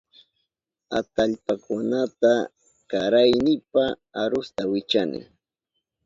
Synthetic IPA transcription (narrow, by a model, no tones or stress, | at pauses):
at̪aʎpakʊnat̪a | kaɾajnɪpa | aɾʊst̪awɪt͡ʃanɪ̰